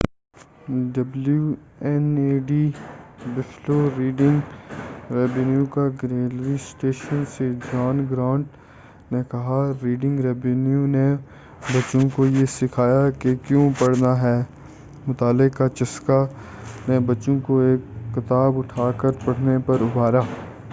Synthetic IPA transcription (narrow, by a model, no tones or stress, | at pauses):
ɖɐblju | ɛneːɖiːbɪfloːɾiːɖɪ̃ŋɡ | ɾɛːbɛnjukaɡɾeːlʋisʈeːʃənsed͡ʒaːnɡɾãːɳʈ | nekɐɦaɾiːɖɪ̃ŋɡɾɛːbɛnjune | bɐt͡ʃõkojesɪkʰaːjakekjõpɐɽ̤naɦɛː | mʊt̪aːlːɪkkːat͡ʃɐskanebɐt͡ʃõkoeːkːɪt̪aːbʊʈʰaːkəɾpɐɽ̤nepɐɾʊbʱaːɾaː